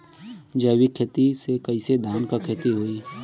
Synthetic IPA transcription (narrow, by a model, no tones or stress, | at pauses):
d͡ʒəwikʰet̪isekɐised̪ʱaːnkakʰət̪iɦoːiː